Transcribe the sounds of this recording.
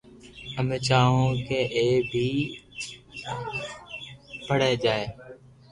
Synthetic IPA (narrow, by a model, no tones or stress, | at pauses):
əmet͡ʃaːɦõːkeːʔeːbʱiː | bʱəɽeːd͡ʒaːeː